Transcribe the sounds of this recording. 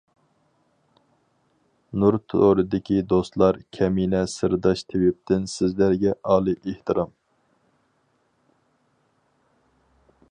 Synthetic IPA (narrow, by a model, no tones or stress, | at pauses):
nuɾt̪ʰo̰oɾɨd̪ɪkʲid̪ost̪lˠɑɾkʲʰɛminɛsɨɾd̪ɑʃt̪ʰewɪp̚t̪ɪnsɪzlæɾɡʲɛʔɑːlˠɨʔeht̪ɨɾɑm